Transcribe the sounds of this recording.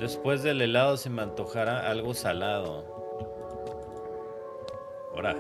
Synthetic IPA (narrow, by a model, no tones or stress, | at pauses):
d̪e̞spwe̞zðe̞le̞lað̞o̞se̞mãnt̪o̞xaɾaʔalɣo̞salað̞o̞̰ | oɾa